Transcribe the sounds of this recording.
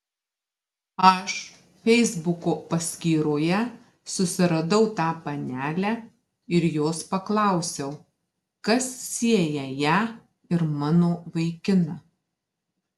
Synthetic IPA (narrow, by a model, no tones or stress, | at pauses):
ɐʃ | fʲɛɪzbʊkoːpɐsʲkʲiːɾoːjɛ | sʊsʲɪɾɐd̪ɐʊt̪ɑːpɐnʲæːlʲæː | ɪɾjoːspɐklˠɑˑʊsʲɛʊ | kɐsːʲiɛjɛjæː | ɪɾmɑːnoːʋɐɪkʲɪnɐ